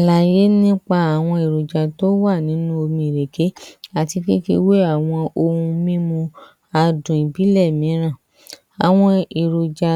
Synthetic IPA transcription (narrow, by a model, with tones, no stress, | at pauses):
a˨la˨je˨˦nĩ˦k͡pa˧a˨w̃ɔ̃˧i˨ɾo˨d͡ʒa˨to˦wa˦˨nĩ˨˦nũ˦o˧mĩ˧˨ɾe˨ke˨˦a˨ti˧ki˦kḭ˧we˦a˦˨w̃ɔ̃˧o˧hũ˧mĩ˦mũ˧ | a˧dũ˨i˨bi˨˦lɛ˦˨mĩ˨˦ɾ̃ã˦˨ | a˨w̃ɔ̃˧i˨ɾo˨d͡ʒa˧